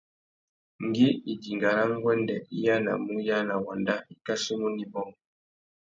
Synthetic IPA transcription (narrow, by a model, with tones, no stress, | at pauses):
ŋ˨ɡi˦i˨di˨ŋɡa˨ɾa˦ŋ˦ɡwɛ˦ndɛ˨i˦ja˦na̰˨mu˦ja˦na˨wa˨nda˦i˨ka˦si˦mu˦ni˨bɔ˦ŋ